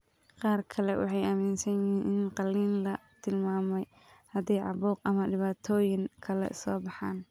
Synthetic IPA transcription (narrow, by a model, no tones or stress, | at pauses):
qɑːrkʰɐlɛwʔɑ̰ħɑjʔɐmiːnsɐnjɪiːnʔɪnqɑlːiːnlɐt̪ʰɪlmaːmɛj | hɐd̪ɛjʕɑ̰βuːqɐmɐɖɪβaːt̪ʰɔːjɪŋkʰɐlɛ̰ʔɪ̰sɔːbɑħɑ̰ːn